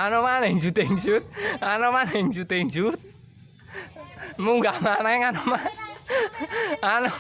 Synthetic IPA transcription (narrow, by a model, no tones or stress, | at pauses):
anomaneɲd͡ʒut̪eɲd͡ʒut̪̚anɔmaneɲd͡ʒut̪eɲd͡ʒut̪̚ | muŋɡamanaeŋanɔma | anɔ